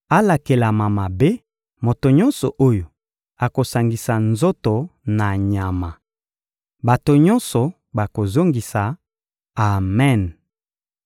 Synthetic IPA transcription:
a˦la˨ke˨la˨ma˨ma˨be˦ | mo˨to˨ɲɔ˦nsɔ˨ʔo˦jo˨ | a˨ko˨sa˨ŋɡi˨sa˨nzo˦to˨na˨ɲa˨ma˨ | ba˨to˨ɲɔ˦nsɔ˨ | ba˨ko˨zo˦ŋɡi˨saː˨ | mɛ˦˨n

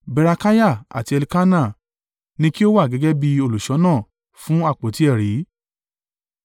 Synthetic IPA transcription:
bɛ˧ɾa˧ka˦ja˦˨a̰˨ti˧ɛ˧li˧ka˦na˦˨ | nĩ˧ki˦o˦wa˦˨ɡɛ˨˦ɡɛ˦bi˧o˧˨lu˨ʃɔ˨˦nãː˦˨ | fũ˦a˦˨k͡po˨˦ti˨˦ɛ˦˨ɾi˨˦

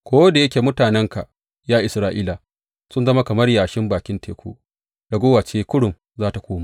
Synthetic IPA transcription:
kʷoː˦da˨je˦kʲe˨mʊ˦taː˨nɛ˦ŋka˨ | jaː˦ʔɪ˨sɾaː˦ʔiː˦la˨ | sʊ˦nzɐ˦ma˦kɐ˨mɐ˦rjaː˨ʃɪ˦mbaː˨kʲɪ˦ntʰeː˨kʷo̰˦ | d̥a˨ɡʷoː˦waː˨t͡ʃeː˦kʷʊ˦ɽʊ˨m | zaː˦ta˨kʷoː˦ma˦

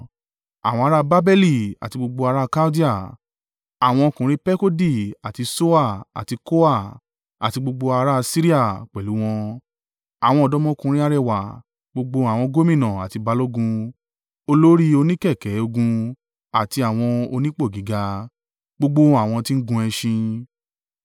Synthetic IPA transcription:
a̰˨w̃ɔ̃˧a˧ɾa˦ba˦bɛ˦li˦˨a̰˨ti˧ɡ͡bo˧ɡ͡bo˧a˧ɾa˦˧ka˦di˦a˦˨ | a˨w̃ɔ̃˧kũ˨˦ɾi˦pɛ˦ko˦di˦˨a˨ti˧so˦a˦˨a̰˨ti˧ko˦a˦˨ | a̰˨ti˧ɡ͡bo˧ɡ͡bo˧a˧ɾa˦˧si˦ɾi˦a˦˨k͡pɛ˨lu˨˦w̃ɔ̃˧ | a˨w̃ɔ̃˧ɔ˧dɔ˦mɔ̃˦˧kũ˧ɾ̃i˦a˧ɾɛ˦˨wa˨ | ɡ͡bo˧ɡ͡bo˧a˨w̃ɔ̃˧ɡo˦mĩ˦˨nã˨a̰˨ti˨˧ba˧˦lo˦ɡũ˧ | o˧lo˦ɾi˦o˧nĩ˦kɛ˦˨kɛ˨˦o˧ɡũ˧ | a˨ti˧a˨w̃ɔ̃˧o˧nĩ˦k͡po˦˨ɡi˨˦ɡa˧ | ɡ͡bo˧ɡ͡bo˧a˨w̃ɔ̃˧ti˦ɡũ˧ɛ˧ʃĩ˧

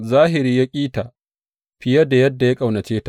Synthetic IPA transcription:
zaː˦ɦɪ˨ɾiː˦ja˦kʲʼiː˦ta˨ʔ | ɸɪ˦jɐ˦da˨jɐ˦dːa˨ja˦kʼa˨wnɐ˨t͡ʃeː˦ta˨

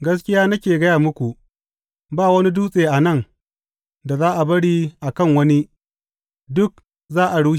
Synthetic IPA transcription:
ɡɐ˦s̬kʲɪ˦jaː˦nɐ˦kʲeː˨ɡɐ˦jaː˨mʊ˦kʷu˨ | baː˦˨wɐ˦ni˦duː˦sʼeː˨ʔa˨nɐ˦˨ŋ | da˨zaː˦ʔa˨bɐ˦ɽiː˦ʔa˨kɐ˦˨ŋwɐ˦ni˦ | dʊ˦k̚ | zaː˦ʔa˨ɽuː˦

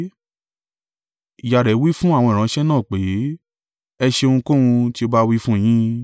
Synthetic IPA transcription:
i˨ja˨ɾɛ˨˦wi˦fũ˦a˦˨w̃ɔ̃˧i˨ɾã˨˦ʃɛ˦nãː˦˨k͡pe˨˦ | ɛ˧ʃe˧õ˧ũ˧ko˦ũ˧ti˦o˧ba˦wi˦fũ˦˧j̃ĩ˦

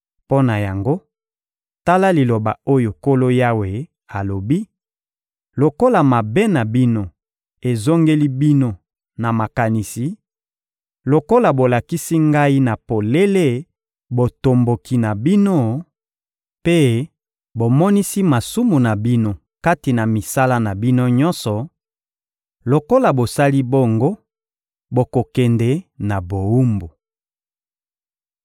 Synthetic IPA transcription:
po˦na˨ja˨ŋɡo˦ | ta˦la˦li˨lo˨ba̰˨o˦jo˨ko˦lo˦ja˦we˨ | a˨lo˨bi˦ | lo˨ko˦la˨ma˨be˦na˨bi˦no˦ | e˨zo˦ŋɡe˦li˦bi˦no˦ | na˨ma˨ka˨ni˨si˨ | lo˨ko˦la˨bo˨la˨ki˦si˦ŋɡa˦i˦na˨po˨le˦le˦ | bo˨to˨mbo˨ki˨na˨bi˦no˦ | pe˦ | bo˨mɔ˦ni˦si˦ma˨su˦mu˨na˨bi˦no˦ | ka˦ti˨na˨mi˨sa˦la˦na˨bi˦no˦ɲɔ̃˦nsɔ˨ | lo˨ko˦la˨bo˨sa˦li˦bo˦ŋɡo˦ | bo˨ko˨kɛ˨ndɛ˨na˨bo˨u˦mbo˨

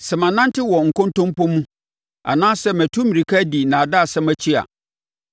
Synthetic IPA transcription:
sɛ˨mã˨nã˦n˦tʰɪ˦wɔ˨ŋ̩˨kɔ̃˦n˦tʰɔ̃˦m˦pɔ̃˦mũ˦ | a̰˨nãː˦sɛ˦mæ̃˨tʰũ˦mĩ˨ɾi˨kʰa˦di˨nã˨da˦˨sɛ˦mæ˨t͡ɕʰi˦a̰˨

